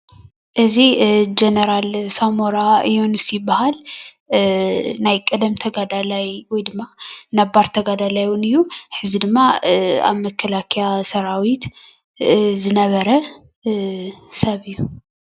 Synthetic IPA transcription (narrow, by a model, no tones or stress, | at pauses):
ʔɨzid͡ʒenɐɾalsamoɾaɨjonusjɪbahal | najkʼɐd̪ɐmt̪ʰɐɡad̪alajwɔjd̪ɨmːanabaɾt̪ʰɐɡad̪alajwnɨjːuħɨzid̪ɨmːaa̰βmɐkʰːɐlakʰijasɐɾawit̪ | zɨnɐβɐɾɐ | sɐβɨjːu